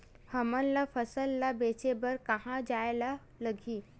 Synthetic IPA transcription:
həmənlafəsəlːabet͡ʃebəɾkəɦãd͡ʒajla | ləɡʱiː

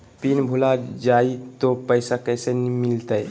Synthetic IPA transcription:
pinbʱulad͡ʒait̪opəjsakəjsenmilt̪əj

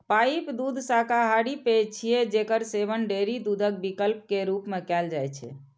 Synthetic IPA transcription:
paipd̪ud̪ʱsakaɦaɽipet͡ʃʰijed͡ʒekəɾsebənɖeɾid̪ud̪ʱək̚bikəlp̚keɾupmekɛld͡ʒajt͡ʃʰɛ̰

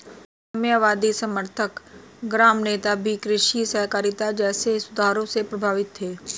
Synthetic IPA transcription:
ɐmjaʋaːd̪isəməɾt̪ʰək | ɡɾaːmneːt̪abʱikɾɪʃisəɦkaːɾɪt̪ad͡ʒɛːsesʊd̪ʱaːɾõsepɾɐbʱaːʋɪt̪ɦeː

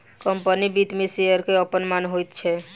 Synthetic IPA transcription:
kəmpənibit̪miseəɾkeəpənmanɦojt̪t͡ʃʰɛ

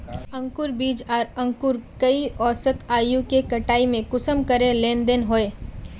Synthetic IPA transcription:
ɐ̃ŋkʊɾbiːd͡ʒaːɾɐ̃ŋkʊɾkɐiɔːsət̪aːjũkekɐʈaːimẽkʊsəmkɐɾẽlẽːnd̪enɦoːeː

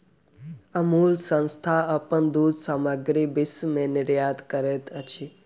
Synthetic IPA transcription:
əmuːlsə̃nst̪ʰaəpənd̪uːd̪ʱsaməɡɾibɪsmẽnɪɾjaːd̪kəɾeːt̪ʰət͡ʃʰi

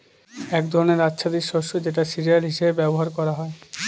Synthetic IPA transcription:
ɛkd̪ʱɔɾoneɾad͡ʑːʃʰad̪iɾʃoʃːod͡ʑeʈasiɾijalɦiʃebebɛboɦaɾkɔɾaɦɔe

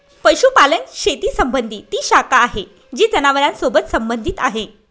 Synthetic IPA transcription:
pəɕupalənɕet̪iːsəmbənd̪ʱiːt̪iːɕakaːɦe | d͡ʑiːd͡zənaʋəɾãnsobət̪səmbənd̪ʱit̪aɦe

